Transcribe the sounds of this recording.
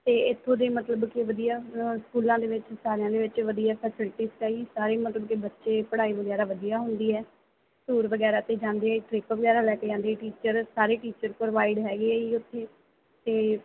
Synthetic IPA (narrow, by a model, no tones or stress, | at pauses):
t̪eːɪt̪ʰːõːd̪eːmət̪ləbkɪʋəd̪ijaːskuːlãːd̪eːʋɪt͡ʃsaːɾejãːd̪eːʋɪt͡ʃʋəd̪ijaːpʰɛːsɪlɪʈiːskaːiːsaːɾeːmət̪ləbkɪbətːʃeːpəɽaːiːʋəɡɛːɾaːʋəd̪ijaːɦʊnd̪iːɛː | suːɾʋəɡɛːɾaːt̪eːd͡ʒãːnd̪eːɛʈɾɪːkʋəɡɛːɾaːlɛːkeːd͡ʒãːnd̪eʈiːt͡ʃəɾsaːɾeːʈiːt͡ʃəɾpɾʋaːɪɖɦɛːɡeːiːʊt̪ʰːeː | t̪eː